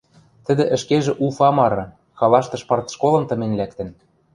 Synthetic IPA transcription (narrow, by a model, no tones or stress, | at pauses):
t̪ə̆d̪ĕʔɘ̆ʃkeʒĕʔufɑmɑɾɤ̆ | xɑlɑʃt̪ɤ̆ʃpɑrt̪ʃkolɤ̆mt̪ɤ̆menlækt̪ɘ̆n